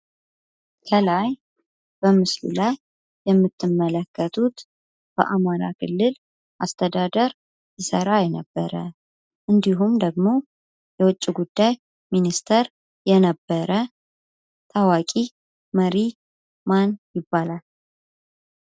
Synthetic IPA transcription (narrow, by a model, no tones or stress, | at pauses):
kʰəlaj | b̥əmɨslṵlajː | ɛmːɨt̪ːɨmːələkːət̪ʰut̪ | b̥ə̰ʔamaɾa̰kʰɨlːɨl | ʔast̪ʰəd̪ad̪əɾ | jɪsəɾajɛnəbːəɾə | ʔɨnd̪iɦumd̪əɡmo̞ | jɛwʊt͡ʃʼːiɡud̪ːaj | minist̪ʰəɾ | jɛnəbːəɾə | t̪ʰawakʼi | məɾi | manjɪbːalal